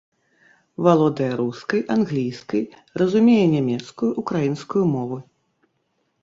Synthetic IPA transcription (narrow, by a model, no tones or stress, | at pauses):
valˠɔd̪ɐjɐɾuskɐjʔanɣlʲijskɐj | rɐzumʲejɛnʲamʲɛt̪skujuʔukɾajinskujumɔvɨ